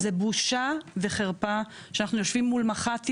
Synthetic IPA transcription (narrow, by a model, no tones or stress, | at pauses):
zebuʃave̞χeʁpaʃeanaχnujo̞ʃvimːulmaχat